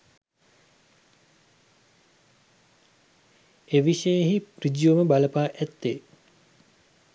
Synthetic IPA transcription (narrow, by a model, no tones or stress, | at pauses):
eʋiʃəjeɦiprid͡ʒjuməbaləpaːʔæt̪ːe